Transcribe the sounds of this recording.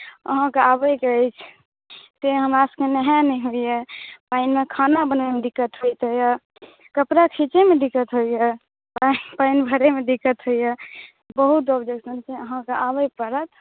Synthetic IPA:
ə̰ɦãkeabəjkət͡ʃʰ | t̪eɦəmɾaskenəɦɛnɛiɦoijepainmekʰanabənemedikːət̪ɦoit̪əjə | kəpɾakʰit͡ʃemed̪ikːət̪ɦoije | painbʱəɾemed̪ikət̪ɦoije | bəɦut̪ɔbd͡ʒeksənseəɦãkeʔabəjpəɾət̪ʰ

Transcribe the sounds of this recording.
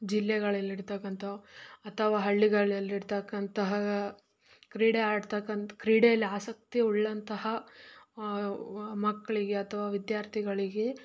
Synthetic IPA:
d͡ʒilːɛɡɐɭɐlːiɽt̪ɐkːɐnt̪ʰɐɐt̪ʰɐʋaːɦɐɭːiɡɐɭɐlːiɽt̪ɐkːɐnt̪ɐɦɐ | kɾiːɽeaːɖt̪ɐkːɐnt̪kɾiːɽejɐlːiaːsɐk̚t̪iuɭːɐnt̪ɐɦɐ | mɐkːɐɭiɡe̞ɐt̪ʰɐʋaːʋid̪jaːɾt̪ʰiɡɐɭiɡe̞

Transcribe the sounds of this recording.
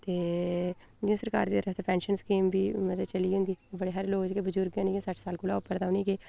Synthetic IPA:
t̪eː | d͡ʒ̃səɾka̰ːɾd̪iːt̪əɾəft̪eːpɛ̃ːnʃənskiːmbiːməd̪ət͡ʃəliːʊ̃nd̪iːbəɽeːɦəɾloːɡd͡ʒkebəd͡ʒʊɾɡɛ̃ːneɡĩːsəʈsaːlkʊlaːʊpəɾd̪aːʊniːkeː

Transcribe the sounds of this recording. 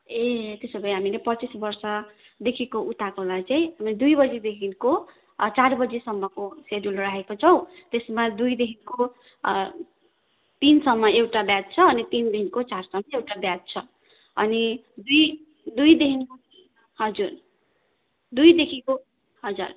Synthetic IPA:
et̪esʌbʌj̃ɦamilepʌt͡sisbʌrsʌ | d̪ekʰikoʔut̪akolajt͡saĩɦamied̪ujbʌd͡zid̪ekʰinko | t͡sarbʌd͡zisʌmːʌkosedulraɦekot͡sʰʌw̃t̪esmad̪ujd̪eɦinko | t̪insʌmːʌewʈabjat̪̚t͡sʰʌːnit̪ind̪eɦinkot͡sarsʌmːʌewʈabjat̪̚t͡sʰʌ | ʌ̰ni | d̪uj | d̪ujd̪eɦinko | ɦʌd͡zur | d̪ujd̪ekʰiko | ɦʌd͡za̰r

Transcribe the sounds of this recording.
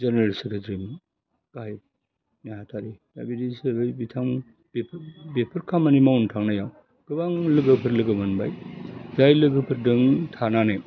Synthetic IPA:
zeneɾalsekʰetɾim | ɡ̥aj | nehatʰaɾid̥a̰bidisebɯjbitʰaŋ | bepʰbepʰɯɾkʰamɐnimawntʰaŋnajaw | ɡ̥ɯbaŋlɯɡɯpʰɯɾlɯɡɯmɯnba̰jzajlɯɡɯpʰɯɾdɯŋtʰanane

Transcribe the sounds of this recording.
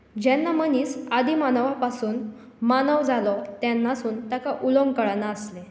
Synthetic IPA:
d͡ʑanːaməniːsad̪imanəʋapasuːn | manəʋd͡zalɔt̪janːasuːnt̪akaʔuloŋɡkəɭanaəsle

